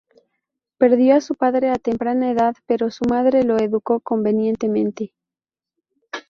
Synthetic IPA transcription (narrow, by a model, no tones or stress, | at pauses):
pe̞ɾðjo̞asupaðɾe̞at̪e̞mpɾanaeðaðpe̞ɾo̞sumaðɾe̞lo̞eðuko̞ko̞mbe̞njẽ̞nt̪e̞mẽ̞nt̪e̞